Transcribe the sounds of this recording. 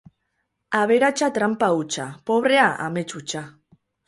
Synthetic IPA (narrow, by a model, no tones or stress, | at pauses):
aβeɾat͡ʃat̪ɾampaut͡ʃapoβ̞ɾeaʔa̰met͡ʃut͡ʃa